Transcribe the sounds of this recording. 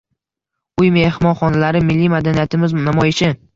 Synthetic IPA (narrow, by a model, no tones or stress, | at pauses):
ʊjme̞hmɒnχɒnalaɾɪmɪlːimad̪anijat̪ʰɪmɪznamɒjɪʃɪ